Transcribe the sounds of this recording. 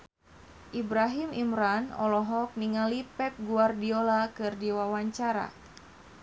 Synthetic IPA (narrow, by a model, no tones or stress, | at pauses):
ʔibɾaɦimimɾanɔ̰lɔɦɔk̚niŋalipɛp̚ɡuardiolakɨrdiwawaɲt͡ʃaɾa̰